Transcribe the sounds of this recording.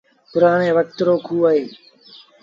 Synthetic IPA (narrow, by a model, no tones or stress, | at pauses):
pʊɾaːɽ̃ẽːʋək̚t̪ɾoːkʰɦuːəːɦeː